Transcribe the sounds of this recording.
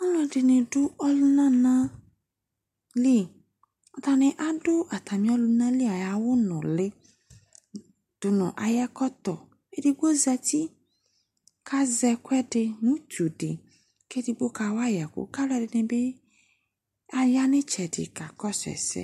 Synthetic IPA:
ɔ˦lɔ˦˨dɪ˨nɪ˨dʊ˦ɔ˦lʊ˦nã˦nã˦ | li˦˨ | ɔ˨ta˨nɪ˨ʔa˦dʊ˦ʔa˨t̪a˨mĩ˨˦ɔ˦lʊ˧˦nã˦li˦a˨ja˨wʊ˦nʊ̃˨lɪ˦ | d̥ʊ˨nɔ̰̃˨ʔa˨jɛ˦kɔ˦t̪ɔ˨ | e˦dɪ˨bo˦za˧ti˦ | kʰa˦zɛ˧kʷɛ˦dɪ˧nũ˦tu˨dɪ̰˨ | ke˦dɪ˧bo˦ka˨wa˦jɛ˨kʊ̰˨ka˦ldɪ˨nɪ˨bɪ˦ | a˦ja˦nɪ˦t͡ʃɛ˨dɪ̰˨ka˨kɔ˦sɛ̰˨sɛ̰˦

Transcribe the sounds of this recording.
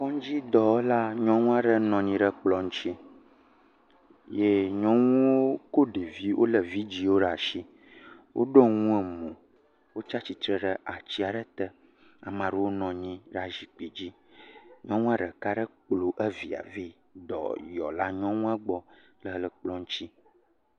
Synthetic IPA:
kɔ˦ŋ˦d͡ʑi˦d̪ɔ˨wo˦la˦ɲɔ̃˦ŋũ˦a˦ɖə˦nɔ̃˨ɲĩ˦ɖə˦k͡plɔ˨ŋ̩̃˦t͡ʃi˦ | je˦ɲɔ̃˦ŋũ˦wo˦ko˦ɖe˨vi˦wʔo̰˦lə˨vi˦d͡ʑi˦wo˦ɖa˨ʃi˦ | wʔo̰˦ɖɔ˦ŋũ˦ɛ˨mũ˨ | wo˦t͡ʃa˦t͡ɕi˨t̪ɾə˨ɖə˦ʔa˨t͡ɕi˦a˨ɖə˦t̪ɛ˦ | a̰˨mã˨ɖə˦wo˦nɔ̃˨ɲĩ˦ɖa˨ʒi˨k͡pi˨d͡ʑi˦ | ɲɔ̃˦ŋũ˦a˦ɖə˨ka˦ɖə˦k͡plo˨ʔə˦vi˨a̰˨vi˦ | d̪ɔ̰˨jɔ˨la˦ɲɔ̃˦ŋũ˦a˦ɡ͡bɔ˦ | lə˨˦lə˨k͡plɔ˦ŋ̩˦t͡ɕi˦

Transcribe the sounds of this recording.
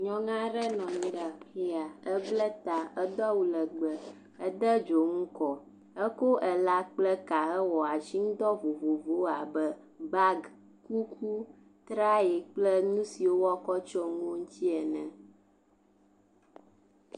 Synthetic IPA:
ɲɔ̃˦ŋã˦ɾɛ˦nɔ̃˨ɲĩ˨˦ɖa˨i˦a˨ə˦blɛ˦t̪a˨ə˦d̪ɔ˦wu˨lə˨ɡ͡bə˨ | ə˦d̪ə˦d͡ʒo˨ŋũ˦kɔ˨ | ə˦ko˦ʔɛ˨la˦k͡plɛ˦ka˨ɛ˦wɔ˨a˨t͡ʃi˦ŋ˦d̪ɔ˦vo˨vo˨vo˦a˨bə˦ | ba˦ɡ | ku˦kʰu˦ | t̪ɾa˦e˨k͡plə˦nũ˦si˨wo˦wɔ˦kɔ˦t͡ʃɔ˦ŋõ˦ŋu˦t̪i˦ɛ˨nɛ̃˨

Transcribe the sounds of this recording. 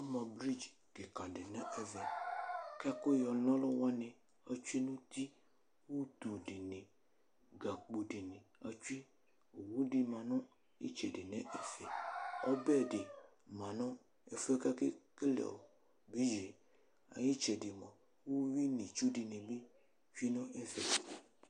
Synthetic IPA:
a˦mã˨bɾi˦d͡ʒ | ɡe˨kã˨de˨nɛ̃˦ʔɛ˦vɛ˨ka˦ko˦jɔ˨lɔ̃˦lɔ˦wa˦nẽ˨ | a˨t͡ʃu˦i˦nũ˦t̪i˦ | wo˦t̪o˨ɖe˨nẽ˨ | ɡa˨k͡po˨ɖe˨nẽ˨a˨t͡ʃu˦e˦ | o˨wu˦ɖe˨mã˨nɔ̃˦ | ḛ˦t͡ʃɛ˨de˨nɛ̃˦ʔɛ˨fɛ˨ɔ˦bɛ˦˨de˨ | mã˨nɔ̃˦ | e˨fɛ˦ka˦ke˦ke˦lɛ̰˨wo˨ | bi˦d͡ʒe˨ | a̰˨ji˦t͡ʃɛ˨de˨mɔ̃˨ | wo˦wi˦nĩ˨t͡ʃu˦de˨nẽ˨be˦ | vi˦nɔ̃˦ɛ˦vɛ˨

